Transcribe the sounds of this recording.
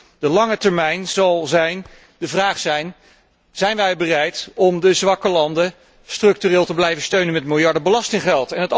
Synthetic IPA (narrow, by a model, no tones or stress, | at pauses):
dəlɑŋətɛɹmɛjnz̥ɑlˠzɛjn | dəvraːχsɛjn | z̥ɛjnʋɛjbərɛjtɔmdəzʋɑkəlɑndə | strɵk̚tyrɪːlˠtəblɛjvənstøɥnənmɛtmɪlˠjɑɹdəbəlɑstɪŋχɛlˠtɛnɦət